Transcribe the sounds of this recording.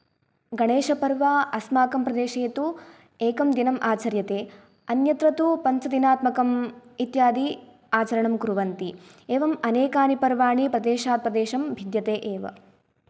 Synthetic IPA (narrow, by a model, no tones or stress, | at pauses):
ɡɐɳeːʃɐpɐɾʋaːɐsmaːkɐmpɾɐd̪eːʃeːt̪u | eːkɐmd̪inɐmʔaːt͡ʃɐɾjɐt̪eː | ɐnjɐt̪ɾɐt̪upɐnt͡ʃɐd̪inaːt̪mɐkɐmit̪jaːd̪i | aːt͡ʃɐɾɐɳɐmkuɾuʋɐnt̪i | eːʋɐmɐneːkaːnipɐɾʋaːɳipɾɐd̪eːʃaːt̪̚pɾɐd̪eːʃɐmbʱid̪jɐt̪eːʔeːʋɐ̰